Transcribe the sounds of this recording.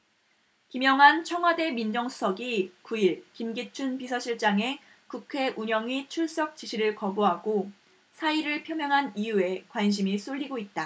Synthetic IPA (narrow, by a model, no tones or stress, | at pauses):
kimjʌŋɦant͡ɕʰʌŋɦwade̞mind͡ʑʌŋsʰu̥sʰʌɡikuiɭkimɡit͡ɕʰunpisʰʌɕʰiɭt͡ɕ͈aŋe̞ | kukʰe̞ʔuɲʌŋit͡ɕʰuɭs͈ʌk̚t͡ɕ͈iɕʰiɾɯɭkʌboɦaɡo | sʰaiɾɯɭpʰjʌmjʌŋɦanijue̞kwanɕ̬ʰimis͈oʎːiɡoit̚t͈a